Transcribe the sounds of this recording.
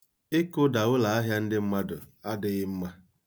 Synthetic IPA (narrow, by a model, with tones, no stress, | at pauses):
ɪ˦kʊ˦da˨wʊ˦la˨a˦ɦja˦n̩˦dɪ˦m̩˦ma˦dʊ˨a˦dɪ˦ɣɪ˦m̩˦ma˦